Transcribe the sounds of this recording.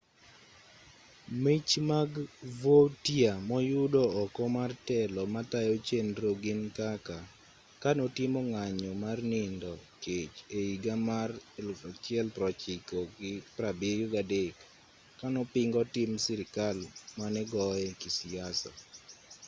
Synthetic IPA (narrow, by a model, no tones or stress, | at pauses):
mit͡ʃmaɡvotiamɔjʊdɔɔkɔmartɛlɔmatajɔt͡ʃenɾoɡɪnkaka | kanɔtɪmɔŋaɲɔmarnɪndɔket͡ʃeiɡamarat͡ʃɪɛlpɾɔt͡ʃɪkɔɡɪpɾabɪjɔɡadekː | anɔpɪŋɡɔtɪmsiɾɪkalmanɛɡɔɛkisijasɔ̰